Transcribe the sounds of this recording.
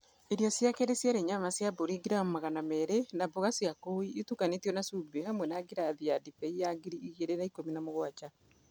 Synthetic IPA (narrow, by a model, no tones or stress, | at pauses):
eɾiɔsjakeɾesjaɾeɲamasjaboɾiɡiɾamomaɣanamɛɾenaboɣasiakoiːtukanetiɔnasubehamwɛnaɡiɾaðiadipɛijaɡiɾiːɣeɾenaikominamoɣwat͡ʃa